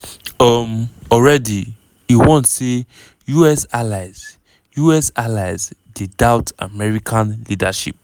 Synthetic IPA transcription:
ʌmɔlɹɛdi | juwɔ̃ntse | juɛsalaɪz | juɛsalaɪzdidaʊta̰mɛɹikʰãnlidaʃḭp̚

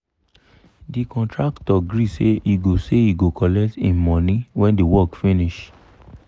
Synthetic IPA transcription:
dikɔ̃ntɹaktɔɡɾiseʔiɡoseiɡokɔlɛk̚tĩmɔ̃nĩwɛ̃ndiwɔkfiniʃ

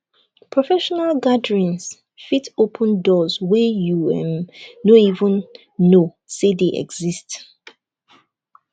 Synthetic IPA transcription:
pʰɹɔfɛʃɔnalɡadɹĩns | fitopʰə̃ndɔzwɛjuɛ̰̃nnoivə̃nː | o | sedeʔɛ̰ɡz̥ist

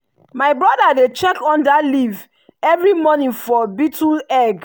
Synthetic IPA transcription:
maɪbɹɔdadet͡ʃɛkɔ̃ndaliv | ɛvɹimɔnĩnfɔbitulɛɡ

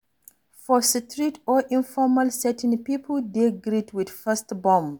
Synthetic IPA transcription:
fɔsitʰɹitʰɔʔĩnfɔmalsɛtɪ̃npipʰəldeɡɾitʰwidfɛstbɔ̃mb

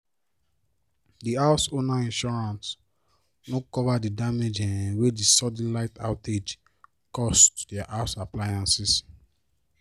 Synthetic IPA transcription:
diaʊsonaĩnʃɔɹãns | nokɔvadidamed͡ʒɛ̃wedisɔdĩnlaɪta̰ʊted͡ʒ | kɔstdɛaʔasaplajãnsis

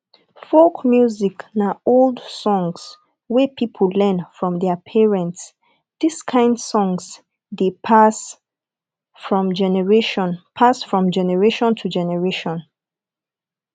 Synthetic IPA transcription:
fokmjuziknaolˠdsɔ̃ŋs | wɛpʰipʰəl̩lɛ̃nfɹɔ̃mðɛpʰɛɹɛ̃nts | diskʰãɪ̃ndsɔ̃ŋs | depʰas | fɹɔ̃md͡ʒɛnɛɹeʃɔ̃npʰasfɹɔ̃md͡ʒɛnɛɹeʃɔ̃ntʰud͡ʒɛnɛɹeʃɔ̃n

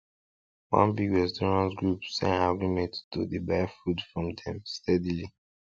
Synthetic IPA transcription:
wã̰nbiɡɹɛstɔɹãnsɡɹupsɛ̰̃naɡɹimɛ̃ntdudebajfudfɹɔ̃mdɛ̃mstʰɛdili

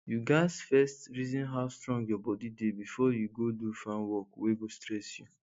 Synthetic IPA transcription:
juɡasfɛstɾizɔ̃nɦaʊstɾɔ̃ŋɡjɔbɔdidebifɔjuɡodufãnwɔkweɡostɾɛsju

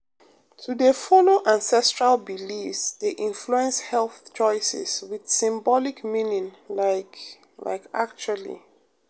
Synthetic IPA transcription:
tʰudefɔloʔãnsɛstɹalbilifsdeʔĩnfluɛ̃nshɛlˠθt͡ʃɔɪsɛ̰swid̥sĩmbɔlikmĩnĩŋlak | la̰ɪka̰k̚t͡ʃualḭ

